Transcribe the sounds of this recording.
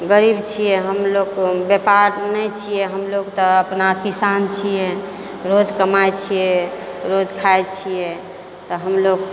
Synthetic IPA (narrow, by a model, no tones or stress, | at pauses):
ɡəɾibt͡ʃʰijɛɦəmlokbepaɾnɛt͡ʃʰijɛɦəmloɡt̪ɔəpnakisant͡ʃʰijɛ | ɾod͡ʒkəmajt͡ʃʰijɛɾod͡ʒkʰajt͡ʃʰijɛ | t̪ɔɦəmlok̚